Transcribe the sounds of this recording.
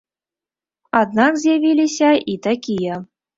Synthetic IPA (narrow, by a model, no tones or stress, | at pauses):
ɑd̪nɑkzʲeβʲilʲiɕɑjʔit̪ɑkʲijɤ̆